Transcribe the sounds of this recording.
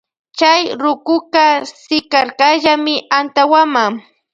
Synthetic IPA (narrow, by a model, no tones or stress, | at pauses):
t͡ʃajɾʊkʊkasɪkaɾkaʒamɪʔant̪awamaŋ